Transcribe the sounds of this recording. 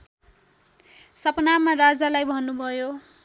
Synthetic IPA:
sʌpnamarad͡zalajbʱʌnːubʱʌjo

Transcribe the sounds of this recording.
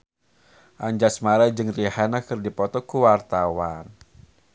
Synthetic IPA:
ʔaɲd͡ʒasmaɾad͡ʒɨŋrihanakɨrdipɔt̪ɔkuwart̪awan

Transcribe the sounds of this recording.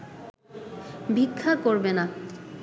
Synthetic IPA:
bʱikʰːakoɾbena

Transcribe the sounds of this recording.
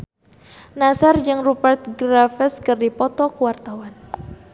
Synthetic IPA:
nasard͡ʒɨŋrupərt̪̚ɡɾafəskɨrdipɔt̪ɔkuwart̪awan

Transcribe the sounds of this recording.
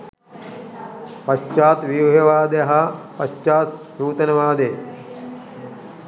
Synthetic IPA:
pɐʃt͡ʃaːt̪ʋiɦjɐʋaːd̪ejɐɦɐpɐʃt͡ʃaːt̪ | ɾuːt̪ɐnɐʋaːd̪e

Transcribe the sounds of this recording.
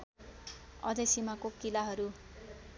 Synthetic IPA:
ʌ̰d̪esimakokilaɦʌɾu

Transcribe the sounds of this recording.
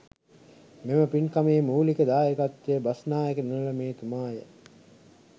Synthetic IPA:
meməpinkameːmuːlikəd̪aːjekat̪ːejəbasnaːjekənunlɐmeːt̪umaːjə̰

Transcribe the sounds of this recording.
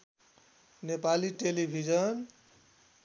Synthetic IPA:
nepaliʈelibʱid͡ʒʌn

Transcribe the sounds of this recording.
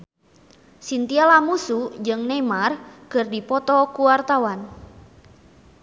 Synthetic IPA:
sint̪ialamusud͡ʒɨŋnɛmarkɨrdipɔt̪ɔkuwart̪awan

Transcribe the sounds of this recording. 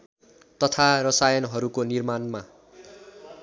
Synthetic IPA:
t̪ʌt̪ʰarʌsajʌnɦʌɾukonirmanma

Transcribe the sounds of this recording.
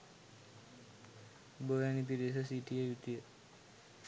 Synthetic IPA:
boʋænipides̬əsiʈijəjut̪ijə

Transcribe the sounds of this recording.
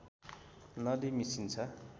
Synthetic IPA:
nʌd̪imisint͡sʰʌ

